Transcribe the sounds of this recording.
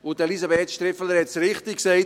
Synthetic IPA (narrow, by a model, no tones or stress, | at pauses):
ʊd̥əlisabɛtʃt̪ɾɪfələɾhɛtsɾɪχtɪksɛɪt